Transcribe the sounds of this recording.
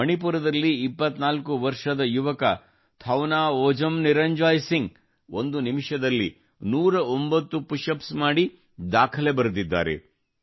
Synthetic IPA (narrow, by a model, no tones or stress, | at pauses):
ɐɳipuɾɐd̪ɐlːiːpːɐt̪naːlkuʋɐɾʂɐd̪ɐjuʋɐkɐ | t̪ʰɐwnaːɔːd͡ʒɐmniɾɐɲd͡ʒaːjsiŋɡ | ond̪unimʂɐd̪ɐlːi | nuːɾɐombɐt̪ːupuʂɐpsmaːɽi | d̪aːkʰɐle̞bɐɾud̪id̪ːa̰ːɾḛ